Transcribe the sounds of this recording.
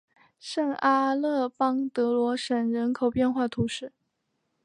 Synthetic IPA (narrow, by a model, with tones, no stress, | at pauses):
ʂə˥˩ŋa˥lɤ˥˩pɑ˥ŋt̪ɤ˧˥lwɔ˧˥ʂə˨˩nɻə˧˥nkʰo˨˩ʊpjɛ˥˧nxwa˥˩t̪ʰu˧˥ʂɻ̩˥˩